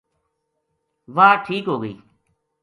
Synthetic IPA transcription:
ʋaːʈʰiːkɦoːɡəḭː

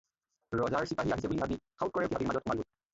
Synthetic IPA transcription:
ɹɔzaɹsipaɦiaɦis̬ɛbulibʱabikʰawt̚kɔɹɛtibʱabiɹmazɔt̚xʊmanbut

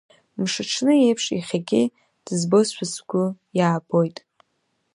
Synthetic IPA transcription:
mʂɨʈ͡ʂʰnɨejpʰʂiχʲaɡʲɪ | d̥zbosʷasɡʷʊjaːbo̞jtʼ

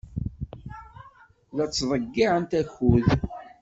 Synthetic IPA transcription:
ðæt͡sːðˤəɡːiʕənt̪æçuð

